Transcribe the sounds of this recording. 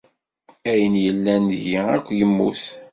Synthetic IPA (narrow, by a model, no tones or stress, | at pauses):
æjənjəlːænʝiækʷːjəmːṵθ